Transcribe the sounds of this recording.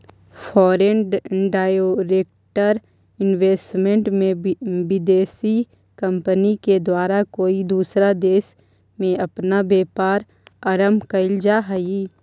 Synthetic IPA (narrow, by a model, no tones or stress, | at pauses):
fʰɔːɾenɖaːjoɾeːk̚ | ʈəɾ | ɪnʋeːsʈmẽɳʈmẽbɪd̪eːsi | kɐ̃mpəniked̪waːɾakoːid̪uːsɾad̪eːʃ | mẽɐpnabeːpaːɾ | ɐɾəmkɐɪld͡ʒaɦɐi